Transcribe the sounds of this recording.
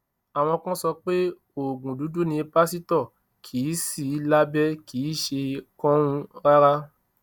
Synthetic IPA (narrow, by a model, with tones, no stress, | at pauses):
a˨w̃ɔ̃˧kã˦sɔ˧k͡pe˦ | o˨ɡũ˨du˨˦du˦nĩ˧e˧pa˦si˦tɔ˦˨ | kʰi˨˦si˦˨˦la˦bɛ˦kiː˨˦ʃe˧kɔ̃˦ɾ̃ũ˧ɾa˦ɾa˦